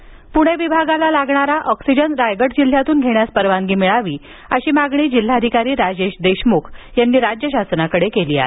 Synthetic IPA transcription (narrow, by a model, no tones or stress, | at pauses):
puɽ̃eʋibʱaɡalalaɡɳaɾaʔɔksid͡ʑəɳɾajɡəʈd͡ʑil̤jat̪uːnɡʱeɳjaspəɾʋaŋɡiːmiɭaʋiː | əɕiːmaɡɳiːd͡ʑil̤ːad̪ʱikaɾiːɾad͡ʑeɕd̪eɕmukʰjanːiːɾad͡ʑjəɕ̬asnakəɽekeliːa̰